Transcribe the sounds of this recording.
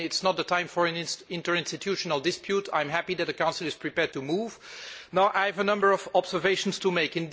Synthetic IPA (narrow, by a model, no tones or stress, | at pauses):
ɪtsnət̪̚dðətʰãɪ̃ɱfəɹɨ̃nɪ̃ntə˞ɪ̃nstɨtʰjuʃənəlˠdɪspʰjutʰã̰ɪ̃mɦæpiðɨt̪̚ðəkãʊ̃nsl̩ˠɨz̥pʰɹ̥ipɛɹd̚tumuv̥naʊʔaɪvənʌ̃mbə˞ɔvɑbzə˞veɪʃn̩stumeɪkɨ̃n